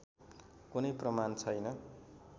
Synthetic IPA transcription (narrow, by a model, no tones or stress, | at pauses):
kunʌjprʌmant͡sʰʌjnʌ